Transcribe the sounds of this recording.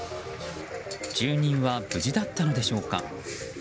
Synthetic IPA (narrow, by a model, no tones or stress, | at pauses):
d͡ʑɨːɲ̟ĩɰ̃βab̥ɯ̟ʑid̪at̪ːano̞d̪e̞ɕo̞ːka̰